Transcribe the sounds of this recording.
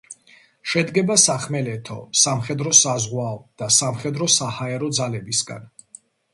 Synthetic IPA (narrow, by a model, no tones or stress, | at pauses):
ʃɛd̪ɡɛbasaχmɛlɛt̪ʰɔ̰samχɛd̪ɾɔsazʁwaɔd̪̥asamχɛd̪ɾɔsahaɛɾɔd̪zalɛbisɡa̰n